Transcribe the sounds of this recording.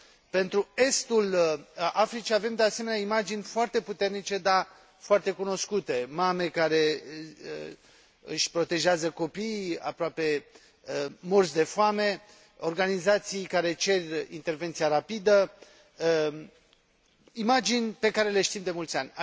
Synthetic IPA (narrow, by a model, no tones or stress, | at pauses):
pe̞nt̪ɾue̞st̪ul | afɾit͡ʃiave̞md̪e̞ase̞menʲaimad͡ʒinʲfoart̪e̞put̪e̞rnit͡ʃe̞d̪a | foart̪e̞kuno̞skut̪emame̞kaɾe̞ | ɨ̰ʃʲpɾo̞t̪e̞ʒeazəko̞pija̰pɾoape̞ | morsd̪e̞foame̞ | o̞rɡanizat̪sijkaɾe̞t͡ʃe̞rʲḭnt̪e̞rve̞nt̪sijaɾapid̪ə | imad͡ʒinʲpe̞kaɾe̞le̞ʃt̪imd̪e̞mult̪sʲanʲa